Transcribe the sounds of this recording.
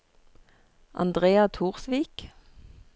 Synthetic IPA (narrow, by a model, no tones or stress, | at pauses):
ʔɑ̰nd̪ʁeːɑt̪ʰuːʁsʋiːk